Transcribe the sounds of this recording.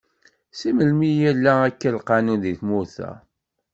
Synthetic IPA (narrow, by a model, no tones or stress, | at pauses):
siməlmijælːæækːəlqɑnunðiθmʊɾθæ̰